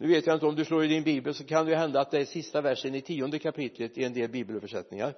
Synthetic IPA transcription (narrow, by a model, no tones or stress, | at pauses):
nʉ̟ːveːt̪jaɪnt̪əɔmd̪ɵsloːɾɪd̪ɪnbiːbəlsɔkʰand̪ɛjʉɦɛnd̪at̪̚d̪ɛæʂɪst̪avæʂənɪt̪ʰiːɔnd̪əkʰapɪt̪lət̪ɪɛnd̪eːlbiːbəlfœʂɛt̪nɪŋaɾ